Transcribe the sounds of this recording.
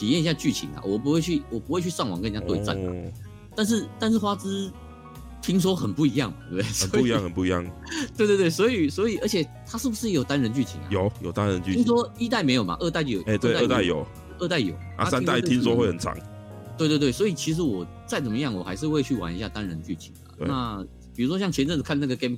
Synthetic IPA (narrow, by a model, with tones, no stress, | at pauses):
t̪ʰi˨˩jɛ˥˨ni˧ɕja˥˧t͡ɕy˥˩t͡ɕʰḭ˧˥na̰˨wɔ˨˩pu˧˥we˥˧y˥˩wɔ˨˩pu˧˥we˥˧ɪt͡ɕʰy˥˧ʂɑ˥˩ŋwɑ̰˨˩ŋkə˥˧t͡ɕja˥t̪we˥˧ɪt͡sa̰˥˩nma̰˨˩ | t̪a˥˧nʂ̬ɻ̩˥˧t̪a˥˧nʂɻ̩˥˩xwa˥t͡sɹ̩˥ | t̪ʰi˥ŋs̬wɔ˥xə˨˩npu˥˩i˧˥jɑ˥˩ŋ˨t̪we˧˩bd̪e˥˩sə˨nɔ˧u˥i˦jɑ˥˨ŋhə˨npu˥˩i˧˦jɑ̰˥˩ŋt̪we˥˧wtwe˥˩ɪswɔ˧˥i˨˩swɔ˧˥i˨˩ə˧˥t͡ɕʰɛ˨˩t̪ʰa˥ʂɻ̩˥˩bu˧˩ʂ̬ɻ̩˥˩˧jo˨˩ʊt̪a˥nɻə˧˥nt͡ɕy˥˩t͡ɕʰḭ˨˥˦na̰˨jo˨˩˦ʊjo˨˩ʊt̪a˦nɻə˧˦nt͡ɕy˥i˥ŋs̬wɔ˥i˥t̪̬a˥˩ɪme˧˥ɪjo˨˩ʊma̰˧ʔə˥˧t̪a˥˩ɪo˥˧jo˨˩e˥˧˩t̪we˧˥˧ə˥˧t̪a˥˩ɪjo˨˩ʊ | ə˥˧t̪a˥˩ɪjo̰˨˩˦ʊa̰˥a˥sa˦n˥ŋt̪a˥˩ɪt̪ʰi˥ŋs̬wɔ˥xwe˥˩ɪhə˨˩nʈ͡ʂʰɑ̰˨˦ŋ | t̪we˥˧t̪wtwe˥˩wɔ˧˥i˨˩t͡ɕʰi˧˥ʂ̬ɻ̩˧˥wɔ˨˩ | t͡sa˥˩ɪt͡sə˨˩mə˦jɑ˥˩ŋwɔ̰˨˩xa̰˧ɪʂɻ̩˥˧we˥˧ɪt͡ɕʰy˥˩wa̰˨˥ni˧˥ɕja˥˩t̪a˦nɻə˧˦nt͡ɕy̰˥˩t͡ɕʰi˨˩˦ŋə̰˩na˥˩ | pi˨˩ɻu˧˥ʂ̬wɔ˥ɕjɑ˥˩ŋt͡ɕʰjɛ˧˥nʈ͡ʂə˥˩˨kʰa˥˧na˥˩ɡə˩kɛ˥m